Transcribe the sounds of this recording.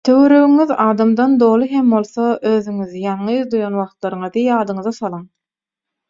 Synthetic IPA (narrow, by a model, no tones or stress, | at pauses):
t̪ʰø̞wøɾøɣyŋyðɑːd̪ɑmd̪ɑnd̪o̞ːlˠɯɦembo̞lˠθoʔøːðyŋyðijɑɴːɯðd̪ujɑnwɑχt̪lˠɑɾɯɴɯðijɑːd̪ɯɴɯðɑsɑlˠɯŋ